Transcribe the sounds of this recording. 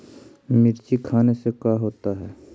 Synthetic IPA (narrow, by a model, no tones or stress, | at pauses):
mɪɾt͡ʃikʰaːnesekaɦoːt̪aɦɛː